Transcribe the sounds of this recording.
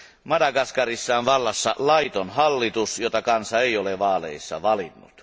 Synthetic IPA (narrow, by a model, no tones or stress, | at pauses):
mɑdɑkɑskɑrisːɑːnʋɑlːɑsːɑ̰lɑit̪onhɑlːit̪usjot̪ɑkɑnsɑeˑijoleʋɑːlḛˑisːɑ̰ʋɑlinːṵt̪